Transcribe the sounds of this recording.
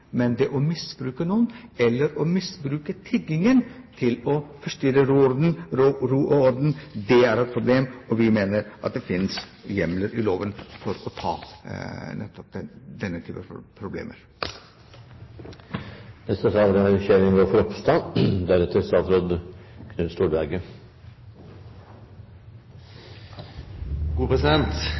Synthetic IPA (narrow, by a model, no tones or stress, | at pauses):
mɛnd̪ɛʔɔmɪsbɾʉːkənuːənɛlːəɾɔmɪsbɾʉːkət̪ʰɪɡɪŋənt̪ʰɪlɔfɔʂt̪yɾəɾuːɔɾd̪n̩ɾɾuːʔɔɔɾd̪n̩d̪ɛæɾɛt̪̚pʰɾʊbleːmɔʋɪmeːnəɾʔɑt̪̚d̪ɛfɪns | jɛmləɾʔɪloːʋənfɔɾɔt̪ʰɑ̰ː | nɛ̰t̪ːɔp̚d̪ɛd̪ɛnːət̪ʰyːpəfpʰɾʊblḛːmʔəɾ | nɛst̪ət̪ɑːlɾəɑɾçeːɾɪŋʋoːfɔɾɔpst̪ɑnd̪æɾɛt̪ʰːəɾst̪ɑːt̪ɾɔd̪kʰnʉnst̪uːɾbæɾɡə | ɡ̥uːpʰɾɛsɪd̪ɛnt̪